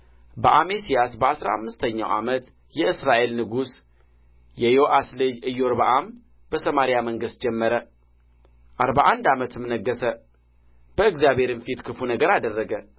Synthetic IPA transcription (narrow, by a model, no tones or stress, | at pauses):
bəʔamesijasbəasɾa̰a̰mːɨst̪ʰəɲːa̰wʔa̰mət̪ | jɛɨsɾaʔe̞lnɨɡus | jɛjoʔasled͡ʒɨjːoɾbaʔam | bəsəmaɾijaməŋɡɨst̪̚d͡ʒɛmːəɾə | ʔaɾbaʔand̪amət̪ɨmnəɡːəsə | b̥əɨɡzjabhe̞ɾɨnfit̪kʰɨfunəɡəɾad̪ərːəɡə